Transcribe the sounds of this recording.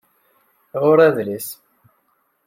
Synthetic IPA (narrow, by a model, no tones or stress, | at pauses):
ʁʊɾæðlis